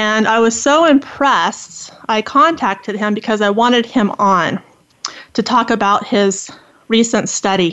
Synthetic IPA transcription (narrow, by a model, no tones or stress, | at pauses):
ɨ̃naɪwʌz̥soʊɪ̃mpʰɹ̥ɛstaɪkʰɑ̃ntʰæk̚tʰɨd̚ɨ̃mbɨkʰʌzaɪwɑ̃ɾ̃ɨd̚ɪ̃mə̃n | tʰɨtʰɔkɨbaʊt̚hɪz | ɹisɨ̃ntstʌɾi